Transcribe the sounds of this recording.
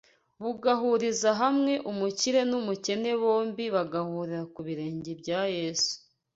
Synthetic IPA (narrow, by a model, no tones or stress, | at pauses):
βuɡaɦuɾizaɦamŋe̞ʔumuciɾe̞numuce̞ne̞βo̞ːmbiβaɡahuːɾiɾakuβiɾe̞ːɲɟebɟaːje̞ːsu̥